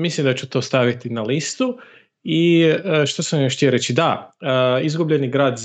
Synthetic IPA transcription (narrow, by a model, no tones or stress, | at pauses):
mislimd̪at͡ɕut̪o̞ːst̪aʋit̪inalist̪u | iəʃt̪osamjoʃt̪ieɾet͡ɕid̪aəizɡubʎe̞niɡɾaːd̪z